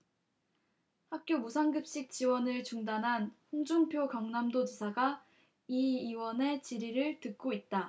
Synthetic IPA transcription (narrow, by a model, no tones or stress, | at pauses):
hak̚k͈jomusʰaŋɡɯp̚ɕ͈ik̚t͡ɕ͈iwʌnɯɭt͡ɕuŋdanɦanɸoŋd͡ʑuŋpʰjokʌŋnamdod͡ʑisʰaɡa | iːwʌne̞t͡ɕiɾiɾɯɭtɯk̚k͈oit̚t͈a